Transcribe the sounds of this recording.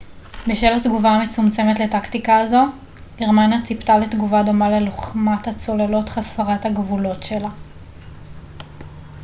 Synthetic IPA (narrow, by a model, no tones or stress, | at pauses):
beʃelhatɡuvaːmet͡sumt͡se̞metle̞taktikaːzo̞ | iʁmanat͡siptaletɡuvado̞male̞loχmathat͡so̞lelo̞tχasfaʁathaɡvulo̞tʃe̞la